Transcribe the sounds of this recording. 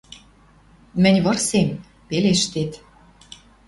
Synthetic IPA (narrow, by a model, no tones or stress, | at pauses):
mɘ̆nʲβɤ̆rsem | peleʃt̪et̪